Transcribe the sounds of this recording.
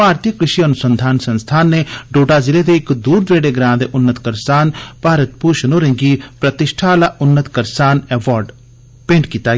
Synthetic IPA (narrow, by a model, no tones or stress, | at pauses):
paːɾt̪ijəkɾɪʃiɐnʊsə̃nd̪ʱaːnsənst̪ʰaːnːeɖoːɖazɪled̪eɪkd̪uːɾd̪eːɽeɡɾãːd̪eʔʊnːət̪kəɾsaːnpaːɾət̪̚puːʃnoɾẽŋɡipɾət̪ɪʃʈʰalaʔʊnːət̪kəɾsaːnɛːʋaːɾɖ | pẽːɳʈkiːt̪a